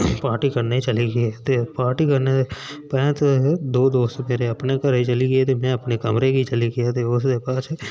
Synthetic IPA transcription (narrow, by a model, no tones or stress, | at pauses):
paːɾʈikɐɾneit͡ʃɐliɡəet̪epaːɾʈikɐɾneepɛ̃ːt̪d̪oːd̪oːst̪meːɾeɐpnekɐɾit͡ʃɐliɡet̪emɛ̃ɐpnekɐmɾeɡʱit͡ʃɐliɡɪjat̪eʊsd̪epaːt͡ʃʰe